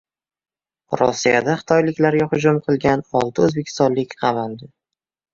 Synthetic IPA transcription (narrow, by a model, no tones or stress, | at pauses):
ɾɒ̰sːijad̪aχɨ̥t̪ʰɒjlɪkʲlaɾɡʲaχʊd͡ʒʊmqʰɨlˠɡʲanɒlˠt̪ʰɪɵzbekʲʰɪ̥st̪ɒnlɪkʲqʰɑvand̪ɪ